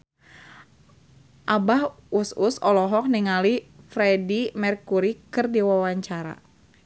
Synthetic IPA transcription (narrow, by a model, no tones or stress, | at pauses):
ʔabahususɔlɔɦɔk̚niŋalifɾɛdimɛrkuɾikɨrdiwawaɲt͡ʃaɾa̰